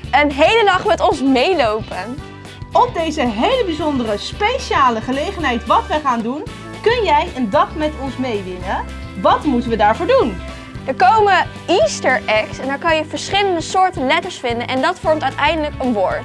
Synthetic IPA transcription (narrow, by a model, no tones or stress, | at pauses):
ənɦejlədɑχmɛtɔnsmejlowpən | ɔp̚dejzəɦejləbizɔndərəspejʃaːləχəlejχənɦɛjtʋɑtʋəχaːndun | kɵnjɛjəndɑχmɛtɔnsmejʋɪnən | ʋɑtmutənʋədaːɹvʊːɹdun | dəɹkowmə | istəɹʔɛksɛndɛːɹkɑnjəvəɹsχɪləndəsʊːɹtənlɛtəɹsfɪndənʔɛndɑtfɔɹmtœɥtɛjndələkənʋoːɹt